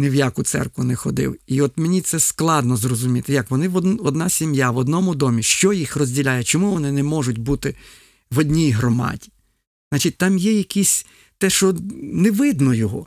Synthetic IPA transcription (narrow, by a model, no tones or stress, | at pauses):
neʋjakʊt̪sɛ̰rkʋʊnɛxɔd̪ɪ̰wiɔt̪menʲit̪sɛsklˠɑd̪nɔzrɔzʊmʲit̪ɪjɐkʋɔnɪʋɔɔd̪nɑsʲimjaʋɔd̪nɔmʊd̪ɔmʲiʃt͡ʃɔjixrɔzʲdʲilʲajɛt͡ʃɔmuʋɔnɪnɛmɔʒʊtʲbut̪ɪ | ʋɔdʲnʲijɦɾɔmɑ̰dʲi̥ | znɑt͡ʃɪt̚ʲt̪ɑmjɛjɐkisʲ | t̪ɛʃɔnɛʋɪd̪nɔjɔɦɔ̰